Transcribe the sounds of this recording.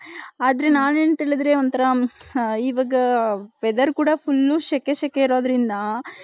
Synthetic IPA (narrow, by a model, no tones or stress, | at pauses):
aːd̪ɐɾe̞naːneːnt̪eːɭid̪ɾeont̪ɐɾɐ | iːʋɐːɡɐpɛd̪ɐɾkuːɽɐpʰulːuʃɛkeʃɛkːeiɾo̞ːd̪ɐɾind̪ɐ